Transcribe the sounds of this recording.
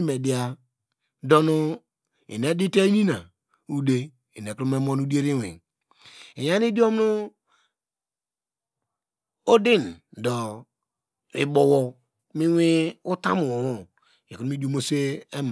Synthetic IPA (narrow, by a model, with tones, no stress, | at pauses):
me˨di˨a˨ | do˦nu˦ | ḭ˨ne˨˦di˦te˦i˦nĩ˦na˨ | u˦de˦ | i˨ne˨ko˦me˦mo˦n˦u˦di˦e˦ɾi˦wḭ˨ | e˨ja˦n˦i˦di˦o˦m˦nu˦ | o˦di˦n˨dɔ˨ | i˨bo˨wo˨ | mi˦wi˦u˦ta̰˦mu˨o˨wo˦˨ | e˨ko˦nu˦m˦i˦di˦o˦mo˦se˦e˦m˨